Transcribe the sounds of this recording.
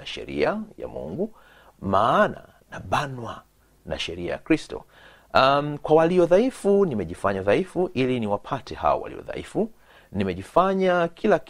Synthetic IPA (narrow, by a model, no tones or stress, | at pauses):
aʃɛ̰ɾḭaja̰mṵŋɡu | maːna̰ | naɓanwa | na̰ʃɛɾia̰ja̰kɾistɔ̰ | mkwawaliɔðaifunimɛʄifaɲaðaifuʔiliniwapʰatʰɛha̰wɔ̰wa̰lḭɔ̰ða̰ʔifu | nimɛʄifaɲakʰilak